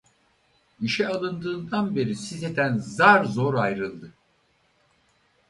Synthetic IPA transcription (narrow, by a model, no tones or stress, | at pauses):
iʃɛalˠɯnd̪ɯːnd̪anbe̞ɾisized̪ænzaɾzo̞ɾajɾɯlˠd̪ɯ